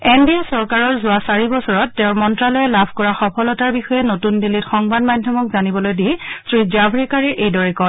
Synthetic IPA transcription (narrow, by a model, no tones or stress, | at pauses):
ɛndiasɔɹkaɹɔɹzʊwasaɹibɔsɔɹɔtːeʊ̃ɹmɔntɹalojɛlabʱkɔɹaxɔpʰɔlɔtaɹbixɔjɛnotundilitxɔŋbadmadʱjɔmɔkzanibɔlojdiɛsɹizabʱɹikaɹɛʔejdɔɹɛkɔ